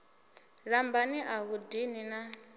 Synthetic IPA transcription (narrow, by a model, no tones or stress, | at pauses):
ɺambaniʔaɣudinina